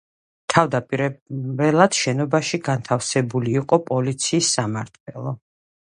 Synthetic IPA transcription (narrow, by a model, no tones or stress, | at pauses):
t̪ʰavd̪apʼiɾɛɛlˠad̪̥ʃɛnɔbaʃiɡant̪ʰafsɛbuliːqʼɔpʼɔlit̪sʰiːsːamaɾt̪ʰwɛlˠɔ